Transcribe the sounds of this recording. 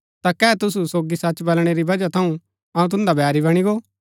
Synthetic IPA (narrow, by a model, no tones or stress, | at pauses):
t̪akɛːɛt̪ʊsusoːɡisɐt͡ʃbɐlɽ̃eɾibɐd͡ʒat̪ʰɐũ | ɐũt̪̬ʊ̃nd̪abʱɛːɾiβɐɽ̃iɡoː